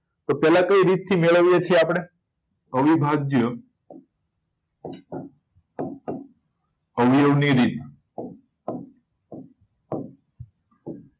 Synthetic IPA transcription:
t̪opɛlakəiɾit̪̚t̪ʰimeɭəʋjet͡ʃʰieapɽ̃e | əʋibʱad͡ʒjə | əʋijəʋniɾit̪

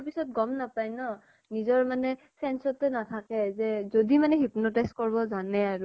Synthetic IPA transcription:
ɹpisɔt̚ɡɔmnapajnɔ | nizɔɹmanɛ | sɛnsɔtɛnatʰakɛzɛzodimanɛɦipnɔtɛskɔɹbɔzanɛaɹu

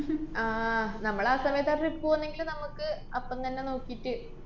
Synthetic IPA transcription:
aːnɐmːɐɭaːsɐʋɐjɐðaːrripːuːɐnːe̞ŋɡilmnɐmukːɨ | ɐpːɐmt̪ɐnːe̞no̞ːkːijitːɨ

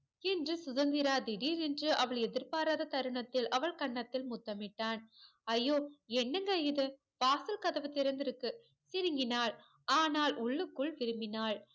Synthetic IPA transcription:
ɛndrɯsʊðɐnd̪ɪɾaːd̪ɪɽiːɾɛndrɯʔɐʋɐɭɛðɪɾpaːɾaːðɐt̪ɐɾɯɳɐt̪ːɪlʔɐʋɐɭkɐɳːɐt̪ːɪlmʊt̪ːɐmɪʈːaːn | ɐjːoːɛnːɐŋɡɐɪðɯ | paːsɐlkɐðɐʋɐt̪ːɪɾɐnd̪ɪɾɯkːɯ | sɪɾɯŋɡɪnaːɭ | aːnaːlʔʊɭːɯkːɯɭʋɪɾɯmɪnaːɭ

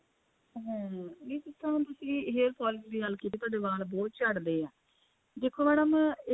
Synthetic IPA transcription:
ɦɛ̃ːʋiːt̪ʊsʰãːt̪ʊsĩːɦeːlpʰɔːlɪd̪iːəlkiːt̪̬iːt̪ʊaːɖeːbaːlbɔːt̪̚t͡ʃəɽd̪eːɛː | d̪eːkʰːoːmɛːɽəm

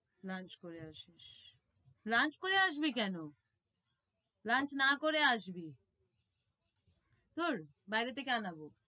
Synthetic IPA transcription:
lãnt͡ʃkoɾeaʃiʃ | lant͡ʃkoɾeaʃ̬bikɛno | lant͡ʃnakoɾeaʃbi | t̪oɾ | bajɾet̪ekanabo

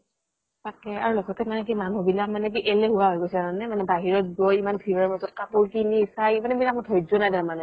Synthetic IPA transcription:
takɛaɹulɔɡɔtɛmanɛk̬imanubilamanɛk̬iʔelɛɦuwaɦojɡojsɛaɹɔnɛmanɛbaɦiɹɔt̚ɡojimanpʰiɹɔmazɔt̚kapoɹkilisajmanɛbilak̚mɔtʰɔjzɔnajdaɹmanɛ

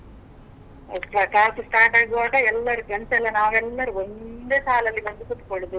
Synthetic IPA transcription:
ɐkɾɐkaːsusʈ̪aːʈaːɡiʋaːɡɐɛlːɐɾuɡɐnsɛlːɐnaːʋɛlːɐɾuɔnd̪eːsaːlɐlːibɐnd̪ukut̪ːu̥koɭud̪u

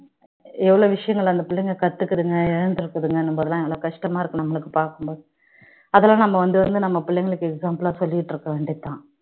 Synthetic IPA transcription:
ɛʋːɐɭoːʋɪʂɐjɐŋɡɐɭɐnd̪ɐpɪɭːɛŋɡɐkɐt̪ːɯkːɐðɯŋɡɐɪɻɐnd̪ɯɾɯkːɐðɯŋɡɐɐnːɯmboːðɐlãːɛʋɐɭoːkɐʂʈɐmaːɪɾɯkːɐɳɐmːɐɭɯkːɯpaːɾkɯmboːðɯ | ɐðɛlãːnɐmːɐʋɐnd̪ɯʋɐnd̪ɯnɐmːɐpɪɭːɛŋɡɐɭɯkːɯɛksaːmplaːsɔlːɪjɪʈːɪɾɯkːɐʋeːɳɖɪt̪ːãː

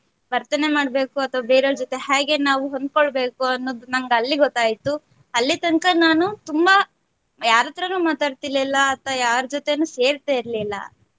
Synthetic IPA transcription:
ʋɐɾt̪ɐne̞maːɽbe̞ːkuɐt̪ʰɐʋabeːɾoːɾd͡ʒɔt̪e̞ɦaːɡe̞naːʋuɦond̪̚koɭbe̞ːkuɐnːoːd̪unɐŋɡɐlːiɡɔt̪ːaːjit̪u | ɐlːit̪ɐŋkɐnaːnut̪umbɐ | jaːɾɐt̪ːɐɾɐnumaːt̪aːɖt̪ilːilːɐːt̪ʋɐjaːɾd͡ʒɔt̪e̞nuse̞ːɾt̪aːiɾlilːɐ̰

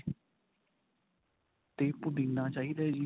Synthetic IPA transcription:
t̪eːpʊd̪ĩnd̪aːt͡ʃaːɦiːd̪ɛːd͡ʒiː

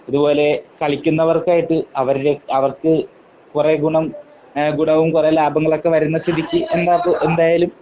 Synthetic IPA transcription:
ɐðubo̞ːle̞kɐɭikʲːunːɐʋɐrkaːjiʈːɨɐʋɐɾiɾe̞ɐʋɐrkɨ | kureɡuɳɐm | ɡuɳɐʋumkure̞laːbɐŋːɐɭo̞kːe̞ʋɐɾunːɐst̪id̪ʱikʲːɨe̞nd̪aːpːoʔe̞nd̪aːjalum

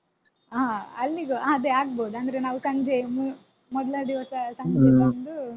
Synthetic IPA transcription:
aɐlːiɡɐad̪eaːɡ̚boːd̪uɐnd̪ɐɾenaːʋusɐɲd͡ʒemu | mɔd̪ɐlɐd̪iʋɐsɐsɐɲd͡ʒeɐnd̪u

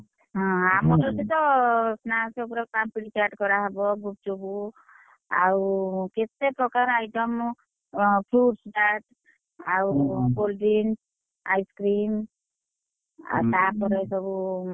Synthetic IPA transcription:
ɦɔ̃amɔɾɔt̪it̪ɔsnaseupɔɾɔkpampiɽit͡ʃaʈkɔɾaɦɔbɔɡup̚t͡ʃobu | a̰wket̪epɾɔkaɾajʈɔm | pʰɾuʈsɖaʈ | awɡolɖin | ajskɾim | a̰sapɔɾesɔbu

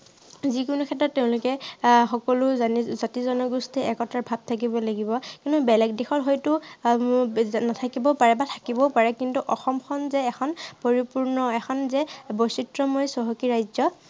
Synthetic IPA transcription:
zikʊnukʰɛtːɔtːeʊ̃lʊkɛxɔkɔlʊzanizatizɔnɔɡustʰiɛkɔtaɹbʱab̚tʰak̬ibɔlaɡibɔkintubɛlɛɡdexɔtɦɔjtʊ | natʰakibɔpaɹɛbatʰḁkibɔpaɹɛkintuʔɔxɔmkʰɔnzɛɛxʰɔnpoɹipuɹnɔɛxʰɔnzɛbɔsitɹɔmɔjsɔɦɔkiɹajzɔ

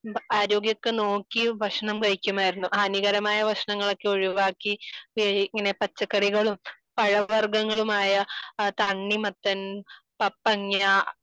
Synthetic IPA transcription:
aːɾo̞ːɡjɐkːenoːkːiʋɐʂɐɳɐmkɐɻikʲːumaːjiɾunːuʔaːniɣɐɾɐmaːjɐʋɐʂɐɳɐŋːɐɭo̞kːeoɻuʋaːkːi | iŋːɐne̞pɐt͡ɕːɐkːɐriɣɐɭum | pɐɻɐʋɐrɡɐŋːɐɭumaːjɐt̪ɐɳːimɐt̪ːɐn | pɐpːɐŋja

